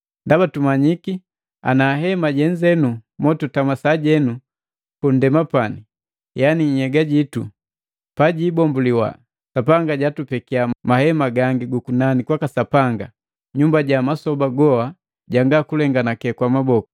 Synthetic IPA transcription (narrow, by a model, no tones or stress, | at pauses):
ndabatumaɲiki | a̰naɦɛmaɟɛɲzɛnumɔtutamasaɟɛnu | kun̩dɛmapani | janiɲ̩hɛɡaɟitu | paɟiːbɔmbuliwa̰ | sapaŋɡaɟatupɛkiamahɛmaɡaŋɡiɡukunanikwakasapaŋɡa | ɲumbaɟamasɔbaɡɔha | ɟaŋɡakulɛŋɡanakɛkwamabɔku̥